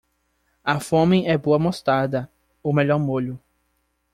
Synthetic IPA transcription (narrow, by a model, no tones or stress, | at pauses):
ɐfõmẽɛboɐmost̪ad̪ɐ | ʊmeʎɔɾmoʎʊ